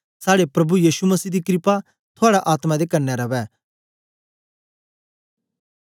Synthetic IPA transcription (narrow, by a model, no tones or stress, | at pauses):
saːɽepɾɐbujiːʃumɐsiːd̪ikɾɪpa | t̪ʰʊaːɽaʔaːt̪mad̪ekɐɾnɛɾɐʋɛː